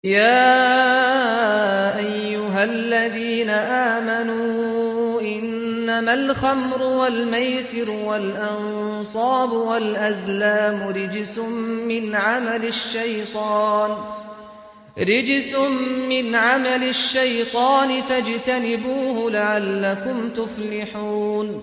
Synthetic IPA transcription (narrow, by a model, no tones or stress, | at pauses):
jaː | ʔajːʊɦalːaðiːnaʔaːmanuːʔɪnː | amalxamɾʊwalmajsɪɾwalʔɑn | sˤɑːbʊwalʔazlaːmʊɾɪd͡ʒsʊmmɪnʕamalɪʃːajt̪ˤɑːn | ɾɪd͡ʒsʊmːɪnʕamalɪʃːajt̪ˤɑːnɪt̪ad͡ʒt̪anɪbuːhʊlaʕalːakʊmt̪ʊflɪħuːn